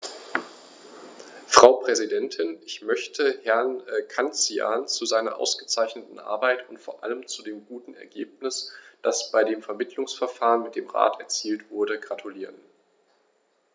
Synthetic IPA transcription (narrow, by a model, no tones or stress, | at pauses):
fʁ̥aʊpʁ̥ɛzidɛntʰɪnɪçmœçtʰəhɛɐnɛkʰant͡sia̰ːnt͡suzaɪnɐ̰ʔa̰ʊsɡ̥ət͡saɪçnətn̩ʔa̰ːɐbaɪtʊntfoːɐʔa̰ləmt͡sudeːmɡuːtn̩ɛ̰ɐɡḛːp̚nɪsd̥asb̥aɪdeːmfɛɐmɪtʰlʊŋsfɛɐfaːʁənmɪt̚d̥eːmʁa̰ːtʰɛɐt͡siːltv̥ʊɐdəɡʁatʰuliːʁən